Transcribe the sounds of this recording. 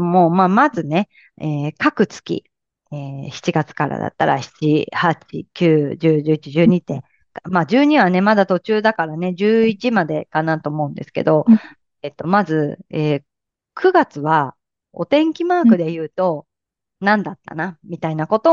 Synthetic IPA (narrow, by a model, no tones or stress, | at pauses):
moːmaːmazɨne̞ | eːkakɯ̟t͡sɨ̥kʲḭ | eːçi̥t͡ɕiɡat͡sɨ̥kaɾa̰d̪a̰t̪ːa̰ɾa̰çi̥t͡ɕihat͡ɕḭkʲɨːʑɨːʑɨːit͡ɕiʑɨːɲ̟it̪ẽ | kamaːd͡ʑɨːɲ̟iβane̞mad̪at̪o̞t͡ɕɨːd̪akaɾane̞d͡ʑɨːit͡ɕimad̪e̞kanat̪o̞ːmo̞ɯ̟̃nd̪e̞sɨ̥ke̞̰d̪o̞ | et̪ːo̞mazɨeː | kʰɯ̟ɡat͡sɨβa | o̞̰t̪ẽ̞ŋkʲimaːkɯ̟d̪e̞jɯ̟ːt̪o̞ | nãnd̪at̪ːa̰namʲit̪ainako̞t̪o